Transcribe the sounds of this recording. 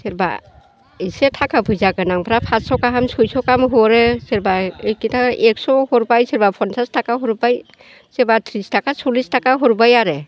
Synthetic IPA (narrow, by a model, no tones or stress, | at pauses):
seɾba̰ | isetʰakʰapʰɯjzakɯnaŋpʰɾapʰatsɔkaɦamsɔjsɔkamɦɔɾeseɾbaejkitaek̚sɔhɔɾbajseɾbapʰɔnsʰastʰakaɦɔɾbaj | seɾbatʰɾistʰakasulistʰakaɦɔɾbajaɾe